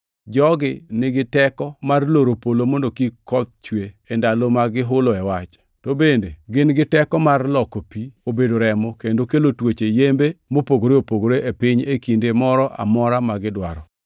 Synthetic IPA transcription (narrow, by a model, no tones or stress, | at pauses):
d͡ʒɔɡɪnɪɡɪtɛkɔmarloɾopolomondokikɔt̪̚t͡ʃweːndalomaɡɪɦʊloɛwat͡ʃ | tobendeɡɪnɡɪtɛkɔmarlɔkopiobedoɾɛmɔkendokelotwet͡ʃejembemopoɡoɾeopoɡoɾeʔepɪɲekindemɔɾɔʔa̰mɔɾamaɡɪdwa̰ɾɔ